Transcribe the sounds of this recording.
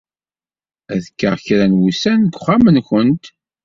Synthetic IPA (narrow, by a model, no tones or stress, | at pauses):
æðəkːəʁçɾænwusænɡʷχamənçənt̪